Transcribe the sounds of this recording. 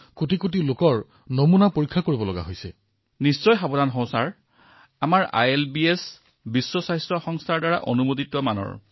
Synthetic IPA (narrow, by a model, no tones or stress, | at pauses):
kutikut̬ilokɔɹ | nomunapoɹikʰːakoɹibɔlɔɡa̰ɦojsɛ̰ | nist͡ʃɔjxabɔdanɦɔ̃w̃saɹ | amaɹa̰jelbies | bisːɔsajstɹɔxɔŋstʰaɹdaɹa̰ʔonumotitːɔmanɔ̰ɹ